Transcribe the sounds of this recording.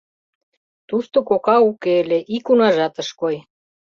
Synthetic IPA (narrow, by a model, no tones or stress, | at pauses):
t̪uʃt̪okokɑukeleʔikunɑʒɑt̪əʃkoj